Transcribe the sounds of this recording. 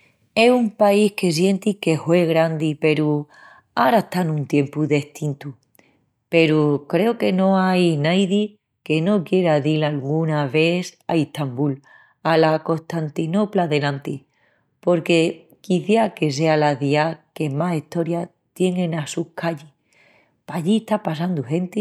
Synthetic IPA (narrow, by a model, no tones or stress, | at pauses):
e̞sumpaihke̞s̬je̞nt̪ike̞hwe̞ɣɾand̪ipe̞ɾu | aɾaeht̪anũnt̪je̞mpuðe̞ht̪int̪u | pe̞ɾukɾe̞oke̞no̞ajnajði | ke̞no̞kje̞ɾaðilalɣunaβe̞θa̰iht̪ambul | alako̞st̪ant̪ino̞plaðe̞lãnt̪i | po̞ɾke̞ | kiθjake̞s̬e̞alaðiake̞masiht̪o̞ɾja | t̪je̞ŋẽnasukaʎi | paʝieht̪apas̬and̪uɦe̞nt̪i